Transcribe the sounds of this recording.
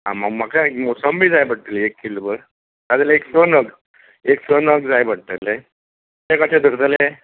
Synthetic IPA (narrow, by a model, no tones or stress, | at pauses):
ɦã̰maɡmakaekmɔsəmbʱiːd͡zajbəɽt̪əleekːilobəɾ | t̪ad͡zeleeksonəɡ | eksonəɡd͡zajbəɽt̪əle | t̪ekaʈed̪ʱəɾt̪əle